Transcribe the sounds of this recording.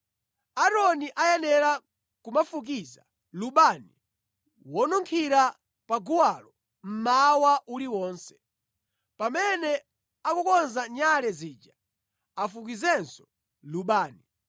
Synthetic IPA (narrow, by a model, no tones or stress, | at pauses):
aɾɔniʔajɛnɛɾa | kumafuk̬iza | luɓani | wɔnuŋkʰiɾa | paɡuwalɔ | m̩mawaʔuliwɔːnsɛ̥ | pamɛnɛ | akukɔnzaɲalɛziːd͡ʒa | afuk̬izɛnsɔ̥ | luɓaːni